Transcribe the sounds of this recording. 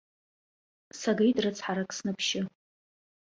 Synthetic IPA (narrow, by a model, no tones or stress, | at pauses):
saɡejtʼrɨt͡sʰħaɾakʰʼsnɨpʰʃɪ